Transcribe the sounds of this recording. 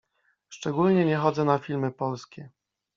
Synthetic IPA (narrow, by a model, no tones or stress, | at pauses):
ʂt͡ʂɛɡulɲɛɲɛxɔd̪zɛnafʲilmɘpɔlskʲɛ